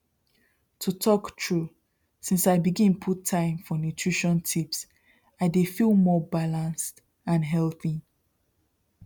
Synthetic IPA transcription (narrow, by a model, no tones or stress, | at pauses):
tʰutʰɔktʰɹu | sĩnsaɪbiɡĩnpʰutʰːãɪ̃mfɔnjutʰɹiʃɔ̃ntʰips | aɪdefilˠmɔbalãnst | ãnɦɛlˠθi